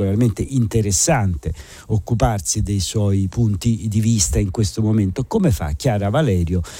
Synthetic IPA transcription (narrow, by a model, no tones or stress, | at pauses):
olarment̪eʔint̪eɾesːant̪e | okːuparsid̪ejswɔipunt̪id̪ivist̪aiŋkwest̪omoment̪okomefa̰kːjaːɾavalɛːɾjo